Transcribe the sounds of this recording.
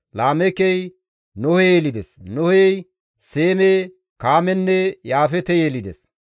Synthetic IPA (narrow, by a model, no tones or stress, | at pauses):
laːmɛkɛj | nɔhɛjelɪd̪ɛsnɔhɛj | seːme | kaːmɛnːɛjaːfɛt̪ɛjelɪd̪ɛs